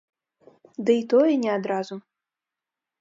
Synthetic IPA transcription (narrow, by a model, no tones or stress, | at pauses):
d̪ɨit̪ɔjɛnʲɛad̪ɾazu